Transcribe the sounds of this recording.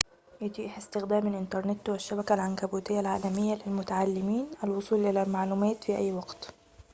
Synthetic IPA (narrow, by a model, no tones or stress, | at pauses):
jɪt̪iːʔħɪst̪ɪxd̪æːmɪlʔɪnt̪ɑɾˤnɪt̪wɪʃːæbækælʕankæbuːt̪ɪjːalʕaːlæmɪjːælɪlmʊt̪aʕalːɪmiːnʔælwʊsˤuːlʔɪlæmaʕluːmæːt̪fiʔæ̰jːwɑɡt̪